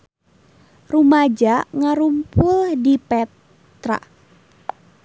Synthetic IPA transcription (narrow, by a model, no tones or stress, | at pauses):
rumad͡ʒaŋaɾumpʊldipɛ | t̪ɾa̰